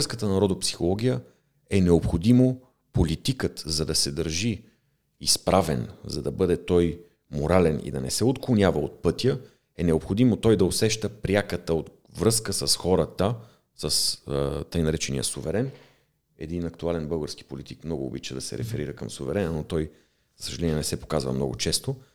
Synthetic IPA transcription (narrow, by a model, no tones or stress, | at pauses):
skət̪ənɐɾɔd̪opsi̥xolˠɔɡʲijə | ɛnɛopxod̪imo | polit̪ikət̪zɐd̪ɐsɛd̪əɾʒi | ispɾʔavɛnzɐd̪ɐbɤd̪ɛt̪ɔj | moɾalɛnḭd̪ɐnɛsɛot̪klˠonʲjavəot̪̚pɤt̪ʲjə | ɛnɛopxod̪imot̪ɔjd̪ɐosɛʃt̪əpɾʲjakət̪əot̪ | vɾɤskəsəsxɔɾət̪ə | səst̪əjnɐɾɛt͡ʃɛnḭjə̰sʊvɛɾɛn | ɛ̰d̪inɐkt̪ualɛnbɤlˠɡəɾsk̟i̥polit̪ikmnɔɡʊ̰ːbit͡ʃəd̪ɐsɛ̰ɾɛ̰fɛɾiɾəkəmsʊvɛɾɛnənot̪ɔj | zə̥səʒɐlɛnʲiɛnɛsɛpo̥kazvə̰mnɔɡʊ̰t͡ʃɛst̪o